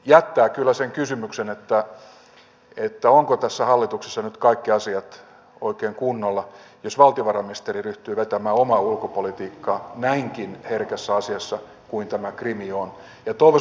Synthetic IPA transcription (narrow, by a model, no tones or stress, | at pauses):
jæt̪ːæːkylːæseŋkysymyksenet̪ːæ | et̪ːæoŋkot̪æsːæhɑlːit̪ukse̥sːɑnyt̪kɑikːiɑsiɑt̪ | oikeːŋkunːolːɑ | josʋɑlt̪ioʋɑrɑmiest̪eriryht̪yːʋet̪æmæːomɑːulkopolit̪iːkːɑːnæiŋkinherkæsːæɑsiɑsːɑ | kuint̪æmækrimion | jɑt̪oiʋo